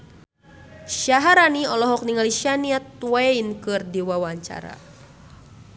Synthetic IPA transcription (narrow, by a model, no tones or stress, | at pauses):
ʃaɦaɾaniɔlɔɦɔk̚niŋaliʃaniat̪̚wainkɨrdiwawaɲt͡ʃa̰ɾa̰